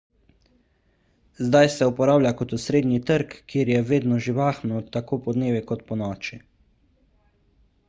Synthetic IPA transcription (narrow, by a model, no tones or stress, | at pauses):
zd̪ajsɛupɔɾaːwljakɔt̪usɾeːd̪nit̪əɾkːiːɾjɛʋeːd̪nɔʒiʋaːxnɔt̪akoːpɔd̪neːʋikɔt̪pɔnɔːt͡ʃi